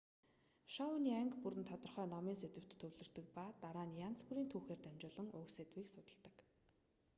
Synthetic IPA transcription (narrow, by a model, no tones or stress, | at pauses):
ʃaʊniːæŋkpuɾɘ̆nt̪ʰɔt̪ɞ̆rχœːnɔmiːset̪ɘ̆w̥t̪ʰːɵwɮɘ̆r̥t̪ɘ̆k̚pat̪aɾaːnjant͡sxuɾiːnt̪ʰuːxeːrt̪æmt͡ɕʊːɮɞ̆ŋʊːkset̪wiːksʊt̪ə̆ɬt̪ə̆k